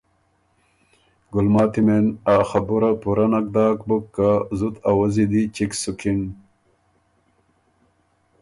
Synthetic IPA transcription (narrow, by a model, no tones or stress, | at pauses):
ɡulmaːt̪imenaxɐbuɾɐpuɾɐnɐk̚d̪aːk̚bukːazut̪awɐzid̪it͡ɕiksukin